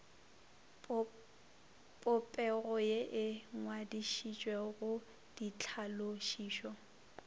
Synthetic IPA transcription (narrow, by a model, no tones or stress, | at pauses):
pʼʊpʼɛɣɔjeʔɪŋwadiʃit͡ʃʼweɣʊ | d̥it͡ɬʰaloʃiːʃɔ